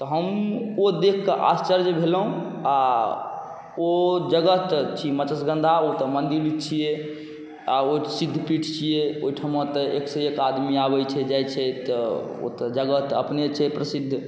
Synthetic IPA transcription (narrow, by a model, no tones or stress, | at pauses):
t̪ɔɦəmod̪ekʰkəʔa̰st͡ʃəɾd͡ʒebʱelɦũa | od͡ʒəɡət̪t͡ʃʰimət͡ʃəsɡə̃nd̪ʱaot̪əmənd̪iɾlit͡ʃʰije | aosid̪ʱːpiʈʰt͡ʃʰijeoiʈʰəmət̪əeksəekad̪miabɛt͡ʃʰɛd͡ʒajt͡ʃʰɛt̪ɔo̰t̪əd͡ʒəɡət̪ə̰pnet͡ʃʰɛpɾəsid̪ʱː